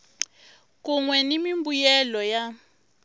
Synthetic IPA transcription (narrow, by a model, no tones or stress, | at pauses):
k̬uŋwɛnimimbujɛlɔja